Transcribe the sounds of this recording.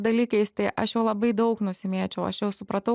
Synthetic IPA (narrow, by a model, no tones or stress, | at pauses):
d̪ɐlʲiːkɐɪst̪ɐɪʔɐʃjoːlˠɐbɐɪd̪ɐʊknʊsʲɪmʲeːt͡ʃʲɛʊɐ̰ʃjɛʊsʊpɾɐt̪ɐʊ